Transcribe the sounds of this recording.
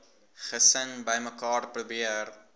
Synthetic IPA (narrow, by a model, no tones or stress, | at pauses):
χəsənbəjməkɑːrprubiər